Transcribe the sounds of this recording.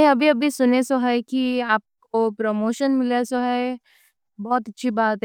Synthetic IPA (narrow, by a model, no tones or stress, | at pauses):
ɦĩɐbʱiɐbʱisʊnesoɦɛkiaːp̚kopɾoːmoːʃənmɪlesoɦɛ | bɔːt̪ɐtːʃʰibaːt̪ɦ